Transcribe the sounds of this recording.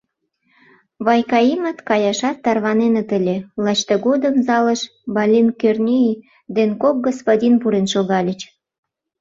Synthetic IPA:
βɑjkɑimət̪kɑjɑʃɑt̪ːɑrβɑnenə̆t̪ə̆lʲelˠɑt͡ɕt̪ɤɣod̪əmzɑləʃ | bɑlʲinkørnʲii | d̪enkok̚ɡospodʲinpuɾenʃoɣɑlʲə̆t͡ɕ

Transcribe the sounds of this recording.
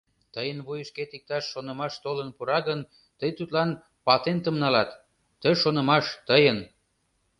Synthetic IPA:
t̪əjənβujəʃket̪ik̚t̪ɑʃːonə̆mɑʃt̪olənpuɾɑɣən | t̪əjt̪ut̪lɑn | pɑt̪ent̪əmnɑlɑt̪ː | əʃonə̆mɑʃt̪əjən

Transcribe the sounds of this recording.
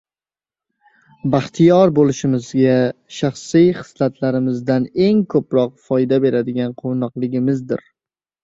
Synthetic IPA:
baχt̪ʰijɒɾbolɪʃɪmɪzɡʲaʃaχsijχɨ̥slat̪ʰlaɾɪmɪzd̪ane̞ŋkʰɵpɾɒq̚fɒjd̪abe̞ɾad̪ɪɡʲanqʰonɒqlˠɪɡʲɪmɪzd̪ɪ̰ɾ

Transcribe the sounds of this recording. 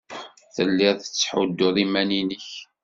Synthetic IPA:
θəlːɪðθət͡sːħʊd̪ːʊðˤimæninəç

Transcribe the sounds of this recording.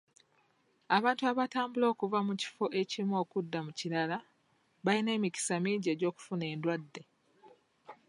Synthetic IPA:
aβaːntuaβataːmbulo̞ːkuvamuci̥fo̞ʔe̞cimo̞ːkudːamuciɾala | βaline̞ːmiki̥samiɟe̞ɟo̞ːku̥fune̞ːndwadːe̞

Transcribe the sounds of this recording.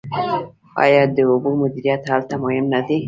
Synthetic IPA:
ɑ̰jɑd̪əʊbumʊd̪iɾijat̪halt̪amʊhɪmnad̪e

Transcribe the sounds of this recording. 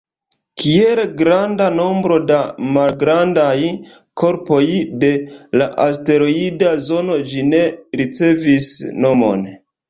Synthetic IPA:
kie̞lɡɾandano̞mbɾo̞damalɡɾandaj | kʰo̞ɾpo̞jde̞laʔaste̞ɾo̞idazo̞no̞d͡ʒine̞ɾit͡se̞visno̞mo̞̰n

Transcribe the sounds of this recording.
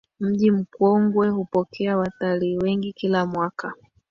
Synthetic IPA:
m̩ʄim̩kwɔŋɡwɛhupɔkʰɛawataliːwɛŋɡikilamwakʰa

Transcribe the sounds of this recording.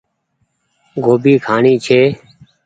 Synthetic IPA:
ɡʱoːbiːkʰaːɳiːt͡ʃʰeː

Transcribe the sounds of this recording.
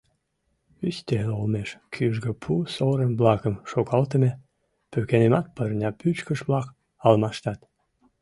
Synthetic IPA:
yst̪elolmeʃkʰyʒɡəpʰusoɾəmblɑkəmʃokɑlt̪̬əme | pøkenemɑt̪̚pərnʲɑpyt͡ɕkəʃβlɑk | ɑlmɑʃt̪ɑt̪

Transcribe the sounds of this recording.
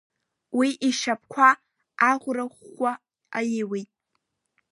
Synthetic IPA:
wiʔiʃap̚ʰkʷʰa | aʁʷraχːʷa | ajɪwitʼ

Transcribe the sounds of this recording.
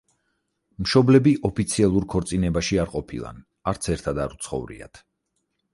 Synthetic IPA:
mʃɔblɛbiʔɔpʰit̪sʰialˠuɾkʰɔɾt̪sʼinɛbaʃiaɾqʼɔpʰḭlˠa̰n | aɾt̪sʰɛɾt̪ʰad̪a̰ɾut̪sʰχɔ̰vɾḭa̰t̪ʰ

